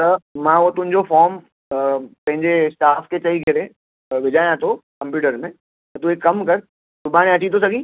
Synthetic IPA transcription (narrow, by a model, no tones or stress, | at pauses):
t̪ɐmãːot̪ʊ̃ɦɪ̃ɲd͡ʑofɔːɾm | pɐ̃ɦɪ̃ɲd͡ʑesʈaːfket͡ɕɐɦiɡʱɐɾe | ʋɪd͡ʑaːjãt̪ʰokɐ̃mpjuːʈəɾmẽː | t̪ɐt̪uekːɐmkɐɾ | d̪ʊbaːñẽɐt͡ɕĩt̪ʰosɐɡʱĩː